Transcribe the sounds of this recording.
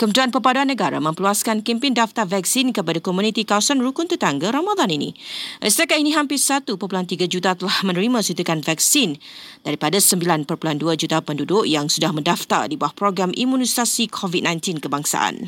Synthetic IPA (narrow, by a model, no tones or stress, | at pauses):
kəmət̪ɾianpəpaduanːəɡaɾa̰mə̃mpəluaskankimpɪndaft̪arvɛk̚sinkəpadakɔmũnit̪ikawasanɾukʊnt̪ət̪aŋɡaɾamad̪aninḭ̃ʔə̰st̪akaʔinĩɦampɪrsat̪upərpulant̪iɡad͡ʒut̪at̪əlahmə̃nəɾimãsut̪ukanvɛk̚sin | d̥aɾipadasəmbilanpərpulanduad͡ʒut̪apəndudʊʔjaŋsudahmə̃ndaft̪a̰rdibawahpɾoɡɾamʔḭmũnisasikʰɔvid̪̚nãjnt̪inkəbaŋsa̰ʔa̰n